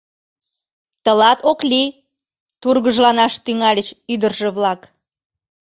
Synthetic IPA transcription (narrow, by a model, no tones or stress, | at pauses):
t̪əlɑt̪oklʲi | t̪urɣəʒlɑnɑʃt̪yŋɑlʲət͡ɕyd̪ərʒĕβlɑk